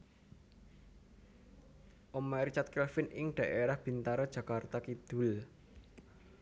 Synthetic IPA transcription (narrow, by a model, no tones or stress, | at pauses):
ʔomaɾit͡ʃat̪̚kɛlfɪnɪŋɖ̪̥a̤ʔeɾahb̥i̤nt̪aɾɔd̥ʒ̥ä̤kart̪akid̪̥ṳl